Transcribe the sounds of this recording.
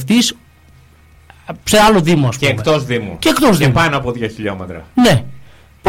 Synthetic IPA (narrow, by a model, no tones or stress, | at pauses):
ft̪is | pseɐloðimoɐst̪eːkt̪ozðimṵceːkt̪ozðeupɐnoɐpoðʝoçiʎomet̪ɾɐ̰ne̞ | p